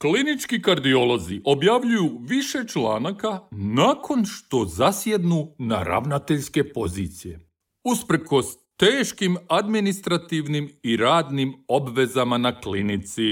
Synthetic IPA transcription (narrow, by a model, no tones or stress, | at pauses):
klinit͡ʃkikaɾd̪iolˠo̞ziʔo̞bjaʋʎujuʋiʃe̞t͡ʃla̰ːnakanaːkʰo̞nʃt̪o̞zasje̞d̪nuna̰ɾa̰ʋnat̪eʎske̞po̞zit̪sije̞ | uspɾko̞s | t̪eːʃkimad̪minist̪ɾat̪iʋnimiɾaːd̪nimo̞bʋe̞zamanaklinit̪si